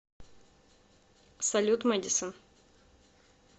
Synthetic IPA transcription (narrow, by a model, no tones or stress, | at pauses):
sɐlʲut̪mɛdʲɪsən